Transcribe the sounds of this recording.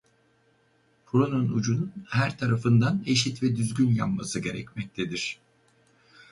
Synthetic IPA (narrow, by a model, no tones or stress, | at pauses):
pʰɾonunud͡ʒununhæɾt̪ʰaɾafɯnd̪ane̞ʃit̪vɛd̪yzɟynja̰pmasɯɟe̞ɾɛcmɛc̚t̪ʰed̪iɾ̥